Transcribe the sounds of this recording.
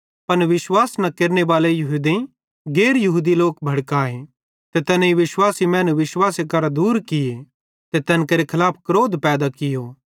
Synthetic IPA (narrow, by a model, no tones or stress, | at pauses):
pɐnʋɪswaːsnɐ̃keːɾnebaːlejɐɦud̪ẽ | ɡeːɾjɐɦuːd̪iloːkbʱɐɽkaːẽ | t̪et̪ɛːnɛiʋɪswaːsimɛ̃ːnuʋɪswaːsekɐɾad̪uːɾkɪje | t̪et̪ɛːnkɐɾekʰɐlaːpʰkɾoːd̪pɛːd̪akɪjoː